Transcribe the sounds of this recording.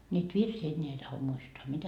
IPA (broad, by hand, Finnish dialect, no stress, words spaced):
niːt ʋirsiː enːeæ ei tɑho muistoɑ mitæ